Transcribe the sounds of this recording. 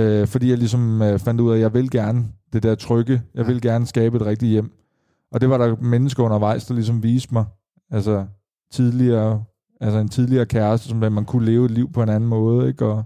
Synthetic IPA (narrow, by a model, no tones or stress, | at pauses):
øfɒd̥ḭːjɑ̈ɪlisɒ̽møfæn̰d̥uð̰ˠæjɑ̈ɪʋe̝lɡ̥æɐnəd̥e̝d̥æɐt͡sʰʁœɡ̥əjɑ̈ɪʋe̝lɡ̥æɐnəsɡ̥ɛːb̥əe̝̥ʁɛɡ̥̚d̥i̥jem̰ | ʔɒ̽d̥e̝ʋɑ̈ɾɑ̈menəsɡ̥ɐɔ̽n̰ɐʋɑ̈ɪ̰sd̥ɑ̈lis̬ɒ̽mʋiːsd̥mɑ̈ɪ | ælsə | t͡sʰið̞ˠliɐː | ælsəe̝nt͡sʰið̞ˠliɐːkʰæɐsd̥əsɒ̽msæmænkʰule̝ːʊe̝d̥liʊ̰pʰɒ̽e̝næn̩mɔ̽ːð̞̩ˠeɡ̥ɒ̽